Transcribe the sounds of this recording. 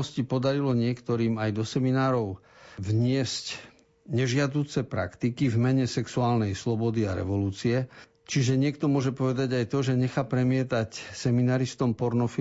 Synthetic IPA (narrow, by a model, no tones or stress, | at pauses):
ɔscipɔd̪aɾilɔɲɪɛkt̪ɔɾiːmajd̪ɔsɛminaːɾɔʊ | vɲɪɛsc | ɲɛʒɪad̪uːt͡sɛpɾa̰kt̪ikivmɛɲɛsɛksuaːlnɛjslɔbɔd̪iaɾɛ̰ʋɔluːt͡siɛ | t͡ʃiʒɛɲɪɛk̚t̪ɔmʊɔʒɛpɔʋɛd̪aɟajt̪ɔʒɛɲɛxaːpɾɛmɪɛt̪acsɛminaːɾist̪ɔmpɔɾnɔfi